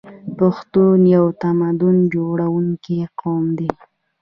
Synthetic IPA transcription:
paxt̪unjawt̪amad̪ʊnd͡ʒoɽawuŋkiqʰɑmd̪e

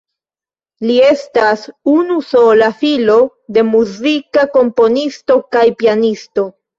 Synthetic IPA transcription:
lie̞stasunuso̞lafilo̞ | de̞muzikako̞mpo̞nisto̞kajpianisto̞

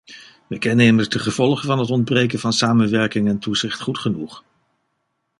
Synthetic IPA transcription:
ʋɛjkɛneməɹzdəχəv̥ɔlˠχəvɑnɦətɔnd̚brejk̬ənvɑnsaːmənʋɛɹkɪŋɛntuzɪχtχutχənuχ

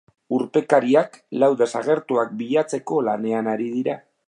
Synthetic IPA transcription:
uɾpe̞kaɾiaklawðe̞saɣ̞e̞ɾt̪uak̚biʎat͡se̞ko̞lane̞anaɾiðiɾa

